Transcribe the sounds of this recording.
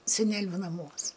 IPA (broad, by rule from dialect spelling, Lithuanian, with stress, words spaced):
sʲɛˈnʲæːlʲʊ nɐˈmuɔs